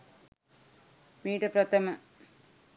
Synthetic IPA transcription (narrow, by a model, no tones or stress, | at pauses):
miːʈɨprɐt̪ɐmɐ